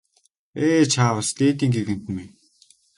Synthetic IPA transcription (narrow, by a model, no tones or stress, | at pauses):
eːt͡ɕʰaːwə̆st̪eːt̪̬iːŋɡeɣɘ̆n̥t̪ɘ̆ni